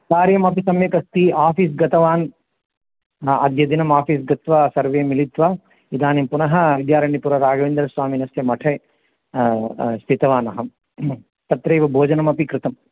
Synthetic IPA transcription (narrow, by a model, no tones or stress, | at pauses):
saːɾjɐmɐpisɐmjɐkɐst̪iaːfiːs̬ɡɐt̪ʰɐʋaːn | ɐ̰d̪jɐd̪inɐmaːpiːs̬ɡɐt̪ʋɐsɐɾʋeːɐmilit̪ʋɐ | id̪ʱaːnimpunɐɦɐ̆ʋid̪jaːɾɐːɳipuɾɐɾaːɡɐʋind̪ɐɾsʋaːminɐsjɐmɐʈʰe | st̪ʰit̪ɐʋaːnɐɦɐ | t̪ɐt̪ɾɐjʋɐbʱoːd͡ʒɐnɐmɐpikɾɪt̪ɐm